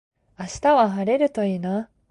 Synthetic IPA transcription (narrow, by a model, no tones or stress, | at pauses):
aɕi̥t̪aβaɦaɾe̞ɾɯ̟t̪o̞ina